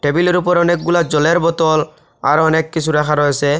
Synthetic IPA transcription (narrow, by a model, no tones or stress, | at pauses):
ʈebilɔɾupɔɾɔnek̚ɡulad͡ʑɔleɾbɔt̪ɔl | a̰ɾɔnekːisʰuɾakʰaɾɔese